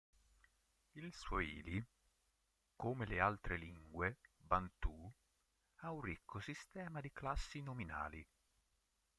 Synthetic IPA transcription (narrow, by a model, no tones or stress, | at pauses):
ilsoḭːli | komelealt̪ɾeliŋɡwebant̪u | aunrikʰːosist̪ɛːmad̪iklasːinomina̰ːli